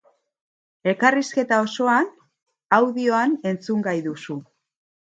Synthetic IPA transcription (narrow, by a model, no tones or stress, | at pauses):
e̞kariske̞t̪ao̞so̞an | awðio̞ane̞nt͡suŋɡajðusu